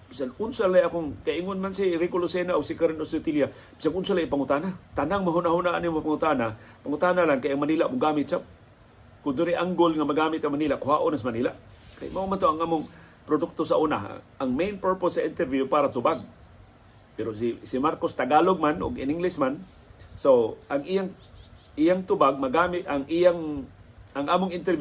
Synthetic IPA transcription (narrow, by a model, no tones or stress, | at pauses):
b̥isanʊnsalajakʊŋkaɪŋʊnmansiɾikʊlosenaʔʊɡsikaɾɪnosɪt̪ilja | b̥i̥saŋʊnsalaʔipaŋʊt̪aːnat̪anaŋmaɦunaɦunaʔa̰nimopaŋʊt̪aːna | paŋʊt̪aːnalankajaŋmaniːlaʔmʊɡaːmɪt̪̚sap̚ | kʊnd̪ʊɾiʔaŋɡʊlŋamaɡaːmɪt̪aŋmaniːlaʔkʊɦaʔʊnasmaniːlaʔ | ka̰jmaʔumant̪oaŋaːmʊŋ | pɾʊd̪ʊk̚t̪osaʔuna̰ʔaŋmejnpəɹposːaʔɪnt̪ɛɾvjupaːɾat̪ʊbaɡ̚ | pɛɾosisimaɾkost̪aɡaːloɡ̚manʊ̰ɡɪ̰nɪŋlɪsman | soʔaŋijaŋ | ʔijaŋt̪ʊbaɡ̚maɡaːmɪt̪aŋijaŋ | aŋʔaːmʊŋɪnt̪ɛɾvj